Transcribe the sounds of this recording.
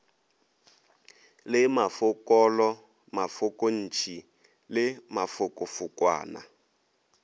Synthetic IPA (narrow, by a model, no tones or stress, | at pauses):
lɪmafʊkʼɔlɔ | mafʊkʼɔn̩ːt͡ʃʰi | lɪmafʊkʼɔfʊkwa̰ːna̰